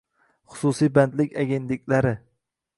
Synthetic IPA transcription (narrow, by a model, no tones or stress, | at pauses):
χʊ̥susijband̪lɪkʲaɡʲent̪lɪk̚ʲlaɾɪ